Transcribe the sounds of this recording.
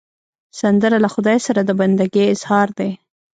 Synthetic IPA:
sand̪əɾalaxʊd̪ɑjsaɾad̪əband̪aɡeɪz̥hɑɾd̪e

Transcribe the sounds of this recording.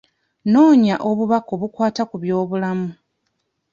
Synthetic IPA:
no̞ːɲaʔo̞βuβakoβukwaːtakuβjo̞ːβulamu

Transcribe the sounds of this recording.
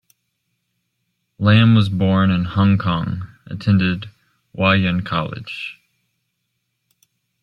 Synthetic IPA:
læ̃mwʌzbɔɹnɨ̃nhɑ̃ŋkʰɑ̃ŋ | ʔɨ̰tʰɛ̃ndɪd̚ | waɨ̃nkʰɑ̰lˠɪ̰d̥ʒ̥

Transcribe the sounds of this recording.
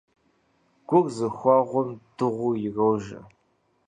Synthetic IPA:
ɡ̥ʷʊɡzɨxʷɑʁʷʊmd̥ɨʁʷujɪɣɐwʒɐ̰

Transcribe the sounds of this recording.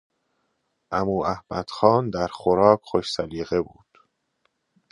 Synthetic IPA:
ʔæmuːæhmæd̪̥xɒːnd̪æɾxoɾɒːkʰxoʃsæliːɣe̞buːd̪̥

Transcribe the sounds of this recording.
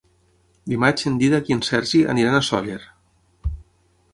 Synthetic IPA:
bimat͡ʃend̪iðakiənsɛɾʒiʔə̰niɾanasɔ̰ʎeɾ

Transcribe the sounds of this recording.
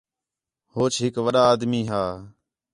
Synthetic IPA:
hoːt͡ʃɦɪkʋəɗaːd̪miːɦaː

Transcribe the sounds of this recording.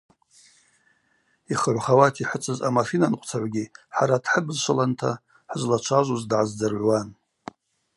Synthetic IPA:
iχəʕʷχawatʰiħət͡sʼɨzamafinanqʷʼt͡sʰaʕʷɡʲiħaɾadħəbzʃʷʰalantʰa̰ | ħzlat͡ʃʷʰaʒʷuzdʕazd͡zarʕʷwan

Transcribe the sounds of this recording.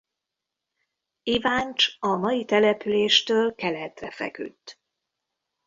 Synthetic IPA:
ivaːnt͡ʃɒmɒjit̪ɛlɛpyleːʃt̪øːlkɛlɛt̪rɛfɛ̰ky̰t̪ː

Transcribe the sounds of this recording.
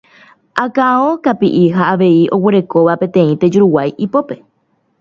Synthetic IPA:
ʔakaõkapḭʔiɦaːʋe̞iʔoweɾe̞ko̞ʋapẽ̞t̪ẽ̞ĩt̪e̞d͡ʒuɾuwajʔipo̞pe̞

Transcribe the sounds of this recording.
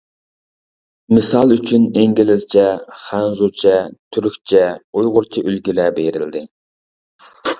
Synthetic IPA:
mɨsɑlˠyt͡ʃʰyneŋɡʲilɪzt͡ʃʰɛχænzut͡ʃʰɛt̪ʰyɾykʲt͡ʃʰɛujʁʊɾt͡ʃʰiʔylɡʲilɛbeɾɪld̪ɪ

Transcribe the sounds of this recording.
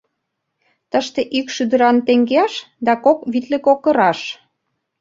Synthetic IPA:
t̪əʃt̪eʔykʃyd̪ə̆ɾɑnt̪eŋɡeɑʃ | d̪ɑkokβit̪lĕkokə̆ɾɑʃ

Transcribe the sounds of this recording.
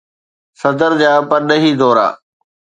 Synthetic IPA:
sɐd̪əɾd͡ʑaːpɐɾnəɦiːd̪ɔːɾa̰ː

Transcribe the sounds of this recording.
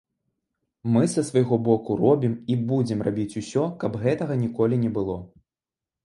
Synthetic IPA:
mɨsɐsvɐjɣɔbɔkurɔbʲimibud͡zʲɛmrabʲit͡sʲusʲɔkɐbɣɛt̪ɐɣɐnʲikɔlʲinʲɛbɨlˠɔ

